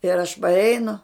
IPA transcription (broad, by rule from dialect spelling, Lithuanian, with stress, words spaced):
ɪr ɐʃ pɐrʲˈɛɪnʊ